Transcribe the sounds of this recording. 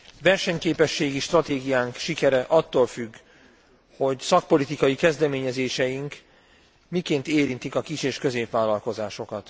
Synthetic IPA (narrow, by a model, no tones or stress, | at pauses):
ʋɛrʃɛɲkeːpɛʃːeːɡiʃt̪rɒt̪eːɡijaːŋkʃikɛɾɛʔɒt̪ːoːlfyɡː | ho̞ɟsɒk̚po̞lit̪ikɒjikɛzd̪ɛmeːɲɛzeːʃɛjiŋk | mikeːnt̪eːɾint̪ikɒkit͡ʃeːʃkø̞zeːpʋaːlɒlko̞zaːʃo̞kɒt̪